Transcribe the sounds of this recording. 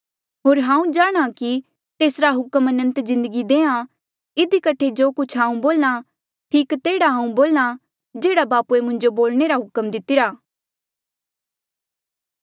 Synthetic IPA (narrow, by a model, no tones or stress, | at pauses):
ɦoːɾɦãːũd͡ʒaːɽ̃aki | t̪eːsɾaɦʊkəmɐnə̃nt̪zɪ̃nd̪əɡid̪eːã | ɪd̪ikəʈʰːed͡ʒoːkʊt͡ʃʰɦãːũboːlna | ʈʰiːkt̪eːɽaɦãːũboːlna | d͡ʒeːɽabaːpuemʊ̃ɲd͡ʒoboːlneɾaɦʊkəmd̪ɪt̪ɪɾaː